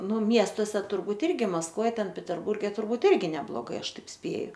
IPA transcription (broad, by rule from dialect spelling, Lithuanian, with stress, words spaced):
ˈnʊ ˈmʲiɛstoːsʲɛ tʊrˈbuːt ˈɪrʲɡʲɪ mɐskˈʋoːj ˈtʲɛn pʲɛtʲɛrˈbʊrʲɡʲɛ tʊrˈbuːt ˈɪrʲɡʲɪ nʲɛblˠoːˈɡɐɪ ˈɐʃ ˈtɐɪp ˈsʲpʲeːjʊ